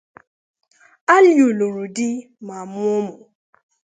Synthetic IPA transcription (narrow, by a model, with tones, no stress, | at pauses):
a˦lo˨lo˨ɾu˨dɪ˦ | ma˨mʊ˦o˦mʊ˨